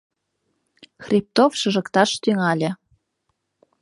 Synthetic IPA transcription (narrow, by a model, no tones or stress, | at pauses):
xrʲip̚t̪ofʃɤ̆ʒɤ̆kt̪ɑʃt̪yŋɑlʲĕ